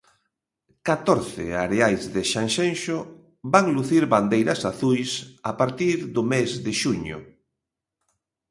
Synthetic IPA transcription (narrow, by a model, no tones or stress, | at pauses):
kat̪ɔɾθɪ̰aɾeajzðɪʃaŋʃenʃʊ | baŋluθiɾβand̪ejɾɐsaθujsapaɾt̪iɾðʊmezðɪʃuɲʊ̰